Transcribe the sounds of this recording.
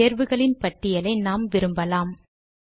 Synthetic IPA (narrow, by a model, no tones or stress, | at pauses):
eːɾʋɯɣɐɭɪnpɐʈːɪjɐlɐɪnaːmʋɪɾɯmbɐlaːm